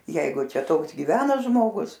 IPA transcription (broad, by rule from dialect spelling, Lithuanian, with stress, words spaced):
ˈjɛɪɡʊ ˈt͡ʃʲɛ ˈtoːks ɡʲiːˈʋʲæːnɐ ʒmoːˈɡʊs